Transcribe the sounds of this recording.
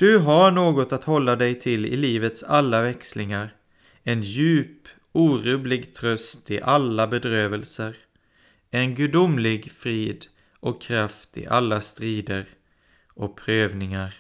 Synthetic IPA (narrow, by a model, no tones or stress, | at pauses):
d̪̥ɵɦaɳoːɡɔt̪at̪hɔlːad̪ɛjt̪ʰɪlːɪ̰liːvət̪salːavɛkslɪŋaɾ | ɛnjʉ̟ːp | uːɾuːlɪɡt̪ʰɾœst̪ɪʔalːabɛd̪ɾøːvəlsəɾ | ɛnɡʉ̟d̪ʊmlɪɡfɾiːd̪ | ʔɔkʰːɾaft̪ɪ̰ʔalːast̪ɾiːd̪əɾ | ʔɔpʰɾøːvnɪŋaɾ